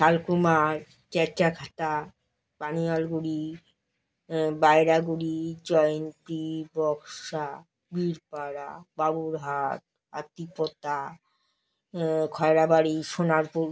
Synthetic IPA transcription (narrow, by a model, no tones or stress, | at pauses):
ʃalkumaɾ | t͡ɕɛt͡ɕakʰat̪a | panialɡuɽi | baeɾaɡuɽid͡ʑɔjnt̪ibɔkʃa | biɾpaɾababuɾɦat̪̚ | a̰t̪ipot̪a | kʰɔeɾabaɾiʃonaɾpuɾ